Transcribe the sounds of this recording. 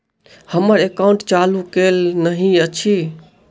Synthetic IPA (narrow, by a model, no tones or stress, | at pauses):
həməɾekaũɳʈt͡ʃalukelnəɦĩət͡ʃʰi